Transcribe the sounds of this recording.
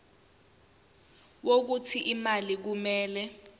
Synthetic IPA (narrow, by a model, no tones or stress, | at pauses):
wok̬utʰiʔimalik̬umɛːlɛ